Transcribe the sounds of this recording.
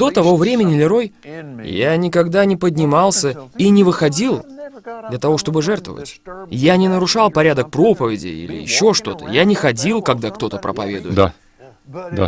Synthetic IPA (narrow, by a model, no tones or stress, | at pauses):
d̪̥o̞t̪ɐvovɾʲemʲɪnʲɪlʲɪɾo̞jjanʲɪkɐɡd̪anʲɪpədʲnʲɪmɑlˠsʲəinʲɪvɨxɐdʲilˠd̪lʲət̪ɐvo̞ʂt̪o̞bɨʐɛrt̪və̰və̰tʲjanʲɪnəɾʊʂɑlˠpɐɾʲad̪ək̚pɾo̞pəvʲɪdʲɪ̰ḭlʲɪ̰jɪ̰ɕːo̞ʂt̪o̞t̪ə̰janʲɪxɐdʲilˠkɐɡ̚d̪akt̪o̞t̪əpɾə̰pɐvʲe̞d̪ʊjd̪a̰ | d̪a̰